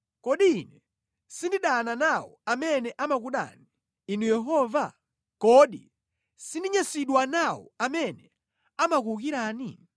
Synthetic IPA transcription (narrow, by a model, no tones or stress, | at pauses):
kɔɗiːnɛ | sindiɗananawɔ̰amɛnɛʔamak̬uɗa̰ni | inujɛɦɔva | kɔɗi | sindiɲasiɗwanawɔ̰amɛnɛ | amak̬uukiɾaːni